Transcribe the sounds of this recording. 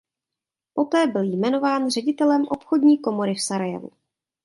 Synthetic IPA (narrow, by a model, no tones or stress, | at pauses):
po̞t̪ɛːbɪljmɛno̞vaːnrɛɟɪt̪ɛlɛmʔo̞pxodɲiːko̞mo̞ɾɪfsaɾajɛ̰vṵ